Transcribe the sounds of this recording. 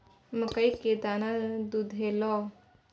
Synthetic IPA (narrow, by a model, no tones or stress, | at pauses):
məkəjked̪anad̪ud̪ʱelɔ